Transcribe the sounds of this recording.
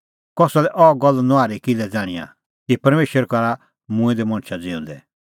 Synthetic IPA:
kɔsɔlɛʔɔɡɔlːnʊ̃aːɾikilɛd͡zaːɽ̃ɪja̰ | kipɐɾmeːʃwəɾkɐɾa | mʊ̃ɛ̃d̪ɛmɔ̃nt͡ʃʰad͡zɪɔ̰̃nd̪ɛ

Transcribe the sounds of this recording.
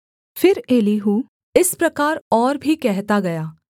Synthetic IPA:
fɪɾeːliɦuː | ɪspɾɐkaːɾɔːɾbʱikɛɦt̪aɡɐjaː

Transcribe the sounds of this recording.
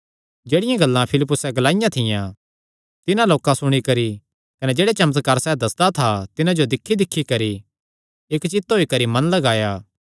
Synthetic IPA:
d͡ʒeːɽɪjãɡɐlːãpʰɪlɪp̬ːʊsɛɡɐlaːɪjãt̪ʰɪjã | t̪ɪnãloːkãsʊɽ̃ikɐɾi | kɐnɛd͡ʒeːɽet͡ʃɐmət̪kaːɾsɛːd̪ɐst̪at̪ʰat̪ɪnãd͡ʒod̪ɪkʰːid̪ɪkʰːikɐɾi | eːkt͡ʃɪt̪ɦoːikɐɾimɐnlɐɡaːjaː

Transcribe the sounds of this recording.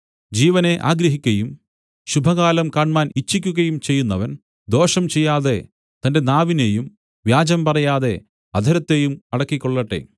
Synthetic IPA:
d͡ʑiːʋɐne̞ʔa̰ːɡɾɐɦikʲːɐjum | ɕubʱɐɣaːlɐmkaːɳmaːnit͡ɕːikʲːuɣɐjumt͡ɕe̞jːunːɐʋɐn | d̪o̞ːʂɐmt͡ɕe̞jːaːðe̞ | t̪ɐnde̞naːʋine̞jum | ʋjaːd͡ʑɐmpɐrɐjaːðe̞ | ɐd̪ʱɐɾɐt̪ːe̞jumɐɽɐkːikʲːoɭːɐʈːe̞̰

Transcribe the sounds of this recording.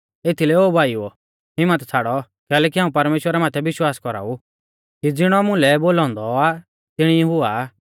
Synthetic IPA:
et̪ʰilɛoːbʱaːiuɔ | ɦɪmːət̪t͡sʰaːɽɔ | kɛːlɛːk̬iɦaːũpɐɾmeːʃwəɾamaːt̪ʰɛʋɪʃwaːskɔɾa̰ːu | kid͡zɪɽ̃ɔmʊ̃lɛboːlãːnd̪ɔa | t̪ɪɽ̃iɛɦʊaː

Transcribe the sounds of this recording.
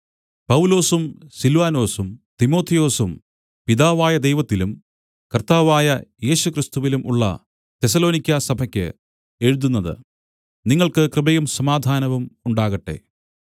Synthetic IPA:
pɐwulo̞ːsumsilʋaːno̞ːsumt̪imo̞ːt̪ʰːijo̞ːsum | piðaːʋaːjɐd̪e̞jʋɐt̪ːilum | kɐrt̪aːʋaːjɐje̞ːɕukrist̪uʋilumuɭːɐ̰ | t̪e̞sɐlo̞ːnikʲːɐsɐbʱɐkʲːɨ̰ | e̞ɻuðunːɐðɨ̰ | niŋːɐɭkɨkrɨbɐjumsɐmaːd̪ʱaːnɐʋumuɳɖaːɣɐʈːe̞̰

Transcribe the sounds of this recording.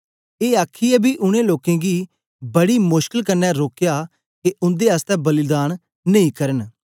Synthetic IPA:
eːaːkʰɪjɛːbʱiːʔʊɽ̃ẽːloːkẽːɡiː | bəɽiːmʊʃkəlkəɾnɛːɾoːkjaː | keʊ̃nd̪eːast̪ɛːbəlɪd̪aːn | nɐĩːkəɾən

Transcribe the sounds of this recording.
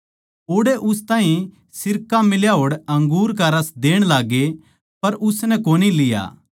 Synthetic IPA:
oːɽeʔʊst̪ãːɦĩ | sɪɾkãmɪljaɦoːɽɐ̃ŋɡuːɾk̬aɾɐsd̪eːɽ̃laːɡe | pɐɾʊsnɛkoːnilɪja̰

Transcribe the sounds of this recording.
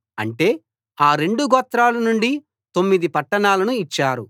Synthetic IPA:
ɐ̰ɳʈe̞ː | aːɾe̞ɳɖuɡɔːt̪ːɾaːlɐnuɳɖi | t̪o̞mːid̪ipɐʈːɐɳaːlɐnuit͡ʃːaːɾu

